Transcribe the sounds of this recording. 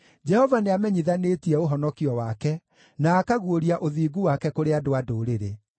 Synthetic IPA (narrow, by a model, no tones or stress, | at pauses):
d͡ʒɛhɔvaneamɛɲiðanetiɛoɦɔnɔkiɔwakɛ | naːkaɣuoɾiaʔoðiːɡuwakɛkoɾeadoadoːɾeɾe